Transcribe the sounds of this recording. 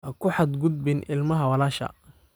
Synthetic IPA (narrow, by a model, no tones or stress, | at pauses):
ʔɐkʰʊħɑd̪ɡʊd̪bɪnɪlmɐɦɐwɐlaːʃɐ̰